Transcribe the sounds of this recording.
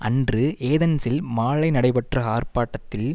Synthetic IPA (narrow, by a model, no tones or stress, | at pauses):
ɐndrɯeːðɐnsɪlmaːɭɐɪnɐɽɐɪpɐʈrɐɦaːrpaːʈːɐt̪ːɪl